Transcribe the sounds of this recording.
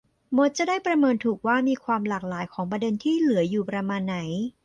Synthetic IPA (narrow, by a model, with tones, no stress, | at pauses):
mo˦˥t̪̚t͡ɕa˨˩daː˥˩jpɾa˧mɤː˧nt̪ʰuː˨˩k̚waː˥˩miː˧kʰwaː˧mlaː˨˩k̚laː˩˦jkʰɔː˩˦ŋpɾa˧de˧nt̪ʰiː˥˩lɯ˩˦ɐjuː˨˩pɾa˧maː˧nːa˩˦j